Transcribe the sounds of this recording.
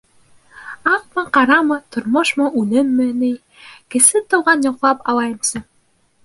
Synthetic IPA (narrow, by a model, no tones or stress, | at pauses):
ɑq̚mɤqɑɾɑmɤt̪ŏɾmoʃmɤʔʉlɘnmɘ̆nɘj | kɘ̆sɘt̪ŏwʁɑnjŏqlˠɑpɑlˠɑjɤ̆msɤ